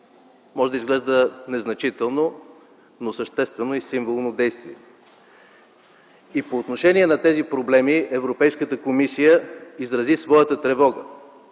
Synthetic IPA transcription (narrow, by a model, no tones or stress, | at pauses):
mɔʒɛd̪əizɡlɛʒd̪ənɛznɐt͡ʃit̪ɛlˠno | nosəʃt̪ɛst̪vɛnoisiɱvolˠnod̪ɛjst̪viɛ | ipoːt̪noʃɛniɛnɐt̪ɛzipɾoblɛmiɛvɾopɛjskət̪əkomisijəizɾɐzisvɔjət̪ət̪ɾɛvɔɡə